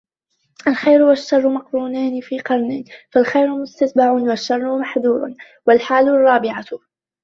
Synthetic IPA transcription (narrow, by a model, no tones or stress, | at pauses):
ʔalxajɾʊwaʃːɑrˤːmaqɾuːnaːnɪfiːqɑɾˤnɪfalxajɾʊmʊst̪at̪baʕʊnwaʃːɑrˤːʊmaħðuːɾ̰ | walħaːlʊrˤːɑːbɪʕa